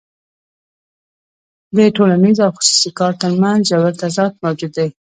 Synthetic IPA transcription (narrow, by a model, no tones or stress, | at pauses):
d̪əʈolanizawxʊ̥su̥sikɑɾt̪əɾmanzd͡ʒawaɾt̪azɑt̪̚mawd͡ʒud̪ːej